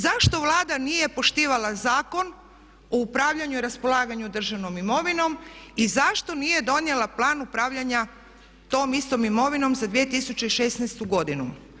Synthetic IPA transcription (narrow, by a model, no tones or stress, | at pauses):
zaʃt̪o̞ʋlˠaːd̪anije̞po̞ʃt̪iːʋalˠazaːko̞n | oupɾaːʋʎaɲuiɾaspo̞lˠaːɡaɲud̪r̩ʒaʋno̞mimo̞ʋino̞mizaʃt̪o̞nije̞d̪o̞njelˠaplˠaːnupɾaːʋʎaɲa | t̪o̞ːmist̪o̞mimo̞ʋino̞mzad̪ʋije̞t̪isut͡ɕeiʃesnɛjst̪uɡo̞d̪inu